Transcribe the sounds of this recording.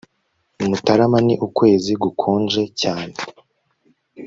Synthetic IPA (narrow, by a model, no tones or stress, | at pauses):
umutaɾamaniʔukwe̞ːziɡukʰoːnd͡ʒe̞caːne